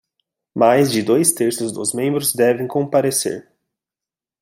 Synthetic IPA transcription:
majzd͡ʒɪd̪ojst̪eɾsʊzd̪ʊ̰zmẽmbɾʊzd̪ɛvẽj̃kõpaɾesḛɾ

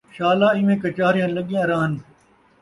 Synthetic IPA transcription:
ʃaːlaːɪ̃ʋẽːkət͡ʃaːɾɪjãːnləɠɪjãːɾãːɦən

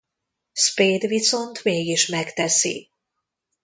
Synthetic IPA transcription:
speːd̪viso̞nt̪meːɡiʃmɛkt̪ɛsḭ

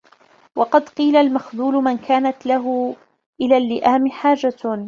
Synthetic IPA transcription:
wɑqɑd̪qiːlalmaxðuːlʊmankaːnat̪laɦʊ | ʔɪlaːlːɪʔaːmɪħaːd͡ʒa

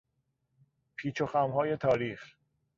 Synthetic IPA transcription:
pʰiːt͡ʃʰoxæmhɒːje̞t̪ʰɒːɾiːx

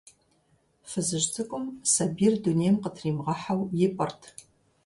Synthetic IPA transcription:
fɨzɨʒtʰɨkʷʼʊmsɐbiːrduneːjmqətʰriːmʁɐħawjɪpʼɐrtʰ

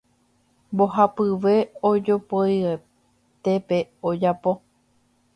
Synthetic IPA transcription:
mbo̞ɦapɨʋe̞od͡ʒo̞poje | t̪e̞pe̞od͡ʒapo̞

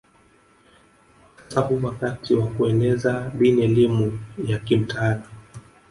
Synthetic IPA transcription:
ḁsahuwakatʰiwakuɛnɛzaɓiniɛlimujakim̩taːna

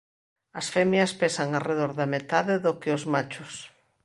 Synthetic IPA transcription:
ɐsfɛmjɐspesaŋareðoɾðɐmet̪aðɪðokɪʊzmat͡ʃʊs

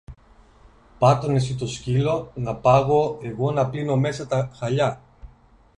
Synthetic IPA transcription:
pɐt̪o̞nesit̪o̞scilo̞nɐpɐɣo̞e̞ɣo̞nɐplino̞me̞sɐt̪ɐxɐʎɐ

